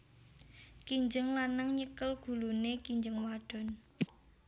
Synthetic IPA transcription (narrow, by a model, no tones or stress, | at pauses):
kiɲd͡ʒəŋlanəŋɲəkəlɡ̥ṳlunekiɲd͡ʒəŋwaɖ̥ɔ̤n